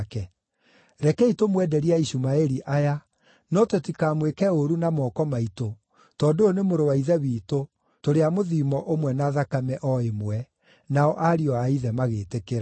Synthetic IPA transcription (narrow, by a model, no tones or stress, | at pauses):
kɛ | ɾɛkɛitomwɛdɛɾiaiɕumaɛɾiʔaja | nɔtotikaːmwekɛoɾunamɔkɔmaito | tɔːdonemoɾowaiðɛβiːto | toɾeamoðiːmɔʔomwɛnaðakamɛʔɔemwɛ | naɔʔaɾiɔaiðɛmaɣeːtekeɾa